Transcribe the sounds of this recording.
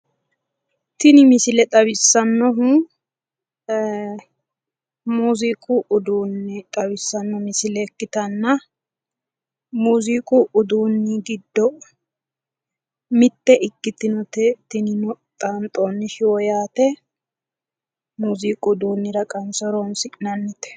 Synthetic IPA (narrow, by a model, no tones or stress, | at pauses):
t̪ɪnɪmɪsɪlɛt̪ʼɐβɪsːɐnːɔɦu | muːzikʼuʔʊd̪uːnːɪt̪ʼɐbɪsːɐnːɔmɪsɪlɛkːɪt̪ɐnːɐ | muːzikʼuʔʊd̪uːnːɪɡɪd̪ːɔ | mɪt̪ːɛʔɪkːɪt̪ɪnɔt̪ɛt̪ɪnɪnɔ | t̪ʼant̪ʼːɔnːɪʃɪwɔjaːt̪ɛ | muːziːkʼʊːd̪uːnːɪɾɐkʼɐnsɔɾɔnsɪkʼɪnɐnːɪt̪ɛ̥